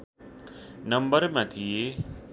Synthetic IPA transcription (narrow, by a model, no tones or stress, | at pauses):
nəmbəɾmãt̪ʰije